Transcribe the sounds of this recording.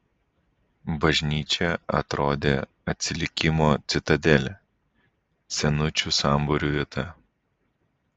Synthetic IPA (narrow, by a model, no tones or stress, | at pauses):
bɐʒʲnʲiːt͡ʃʲɛɐ̰t̪ɾoːd̪ʲeː | ɐt̪ʲsʲɪlʲɪkʲɪmoːt̪sʲɪt̪ɐd̪ʲɛlʲɛ | sʲɛnʊt͡ʃʲusɑˑmbʊɾʲuːʋʲiɛt̪ɐ